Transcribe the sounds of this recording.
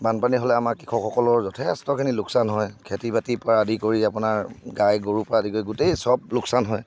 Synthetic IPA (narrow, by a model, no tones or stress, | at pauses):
banpaniɦɔlɛamaɹkikʰɔkʰɔkɔlɔɹzɔtʰɛstɔkʰinilʊksanɦɔjkʰetibatipɹadikoɹiapʊnaɹɡajɡoɹupɔɹadikoɹiɡutejsɔb̚lʊksanɦɔj